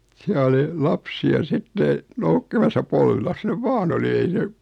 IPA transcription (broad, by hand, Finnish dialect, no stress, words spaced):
siæ oli lɑpsiɑ sitːe noukːimɑsɑ polʋilɑs neʋ ʋɑːn oli ei se